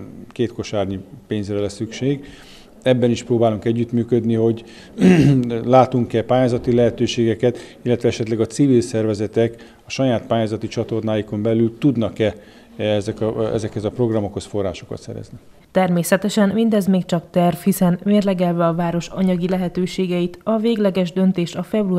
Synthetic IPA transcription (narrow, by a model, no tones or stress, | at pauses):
keːt̪ko̞ʃaːrɲipeːɲzrɛlɛsːykʃeːɡ | ɛbːɛniʃproːbaːluŋkɛɟːyt̪myːkød̪niɦo̞ɟ | laːt̪uŋkɛpaːjaːzɒt̪ilɛɦɛt̪øːʃeːɡɛkɛt̪ilːɛt̪ʋɛɛʃɛt̪lɛɡɒt̪sivilsɛrvɛzɛt̪ɛk | ɒʃɒjaːt̪̚paːjaːzɒt̪it͡ʃɒt̪o̞rnaːjiko̞mbɛlylt̪ud̪nɒkɛ | ɛzɛkɛ̰zɛkhɛzɒpro̞ɡrɒmo̞kho̞sfo̞rːa̰ːʃo̞kɒ̰t̪sɛ̰ɾɛ̰zni | t̪ɛrmeːsɛt̪ɛʃɛnmind̪ɛzmeːk̚t͡ʃɒkt̪ɛrvhisɛnmeːrlɛɡɛlvɛɒvaːɾo̞ʃɒɲɒɡilɛɦɛt̪øːʃeːɡɛjit̪ɒveːɡlɛɡɛʒd̪ønt̪eːʃɒfɛbru